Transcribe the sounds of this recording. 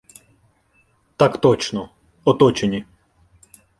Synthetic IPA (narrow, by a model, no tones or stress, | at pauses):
t̪akt̪ɔt͡ʃnɔ | ɔt̪ɔt͡ʃenʲi